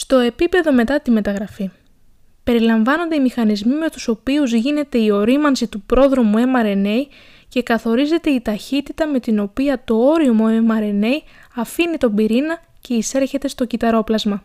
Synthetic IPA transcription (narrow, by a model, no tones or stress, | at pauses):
st̪o̞e̞pipe̞ðo̞me̞t̪ɐt̪ime̞t̪ɐɣɾɐfi | pe̞ɾilɐɱvɐno̞nd̪e̞imixɐnizmime̞t̪u̥so̞piuzʝine̞t̪e̞io̞ɾimɐnsit̪upɾo̞ðɾo̞mue̞mɐɾene̞j | ce̞kɐθo̞ɾize̞t̪e̞it̪ɐçit̪it̪ɐme̞t̪ino̞piɐt̪o̞o̞ɾiomo̞emɐɾe̞ne̞j | ɐfinit̪o̞mbiɾinɐ | ce̞ise̞ɾçe̞t̪e̞st̪o̞cit̪ɐɾo̞plɐzmɐ